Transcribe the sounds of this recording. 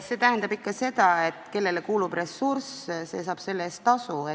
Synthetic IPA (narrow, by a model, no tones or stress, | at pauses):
se̞ːt̪æɦend̪ɑbikːɑse̞d̪̥ɑe̞t̪ke̞lːe̞lekuːlub̥re̞sːursse̞̰ːsɑːb̥se̞lːest̪ːɑsue